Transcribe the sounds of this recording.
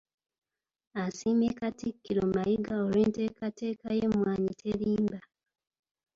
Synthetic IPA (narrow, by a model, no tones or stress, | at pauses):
asimekatikːiɾomajiɡaoɾeːnte̞ːkate̞ːkaje̞mwaːɲitʰe̞ɾiːmba